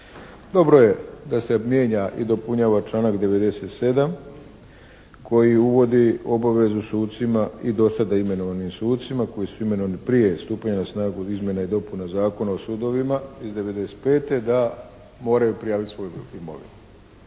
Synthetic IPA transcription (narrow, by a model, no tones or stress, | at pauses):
d̪o̞bɾo̞je̞d̪asebmje̞ɲaʔid̪o̞puɲaːʋat͡ʃlˠaːnakd̪e̞ʋe̞d̪e̞se̞t̪se̞d̪am | kʰo̞jiuʋo̞d̪io̞baʋe̞zusuːt̪t̪simaid̪o̞sad̪aime̞no̞ʋanimsuːt̪t̪simako̞jisuime̞no̞ʋanipɾije̞st̪uːpaɲanasnaːɡuizmʲje̞naid̪o̞punazaːko̞naosuːd̪o̞ʋimaizd̪e̞ʋe̞d̪e̞se̥t̪pe̞ːt̪e̞d̪a | mo̞ːɾajupɾijaːʋit̪sʋo̞juimo̰ʋḭn